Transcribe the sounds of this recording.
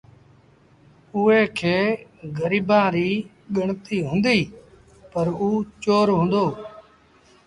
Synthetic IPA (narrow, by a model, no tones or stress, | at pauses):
ʊɦeːkʰeːɡəɾiːbãːɾiː | ɠəɳt̪iːɦʊ̃ːnd̪iː | pəɾuːt͡ʃoːɾɦʊ̃ːnd̪oː